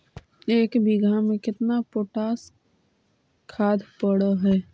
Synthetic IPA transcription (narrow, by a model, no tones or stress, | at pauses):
eːkbiɡʱamẽkɪt̪napoːʈaːs | kʰaːd̪ʱpəɽaɦɛː